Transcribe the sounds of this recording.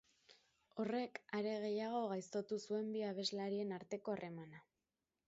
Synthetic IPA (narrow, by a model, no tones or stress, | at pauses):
o̞re̞kaɾe̞ɣ̞e̞jaɣ̞o̞ɣajst̪o̞t̪usue̞mbiaβ̞e̞zlaɾie̞naɾt̪e̞ko̞are̞mana